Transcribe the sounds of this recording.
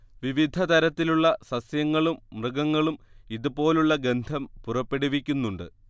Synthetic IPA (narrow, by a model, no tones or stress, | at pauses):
ʋiʋid̪ʱɐt̪ɐɾɐt̪ːiluɭːɐsɐsjɐŋːɐɭummrɨɡɐŋːɐɭumiðupo̞ːluɭːɐɡe̞nd̪ʱɐmpurɐpːe̞ɽiʋikʲːunːuɳɖɨ